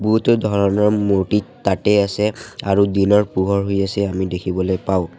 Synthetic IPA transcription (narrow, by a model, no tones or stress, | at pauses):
buɦutɔdʱɔɹɔnɔɹmotitatɛasɛaɹudinɔɹpuɡʱɔɹɦojasɛamidekʰibɔlojpaʊ̃